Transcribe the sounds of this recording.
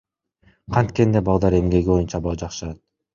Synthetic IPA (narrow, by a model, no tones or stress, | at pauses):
qʰɑnt̪kend̪ebɑlˠd̪ɑɾe̞mɡe̞ɡʲibo̞junt͡ʃɑbɑd͡ʒɑqʃɯɑt̪̚